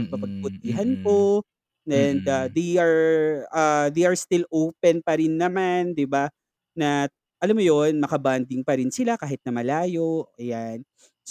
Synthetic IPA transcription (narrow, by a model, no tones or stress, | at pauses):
pɐpɐɡ̚bʊt̪̚iːɦɐnpo | ʔɛnd̪ɐd̪ejʔɐɹɐd̪ejɐɹst̪ɪlʔowpɛnpɐɾɪnːɐmand̪ɪba | nɐ | ʔɐlamːojonmɐkɐband̪ɪŋpɐɾɪnsɪlakaːɦɪt̪̚nɐmɐlaːjo̞jan | s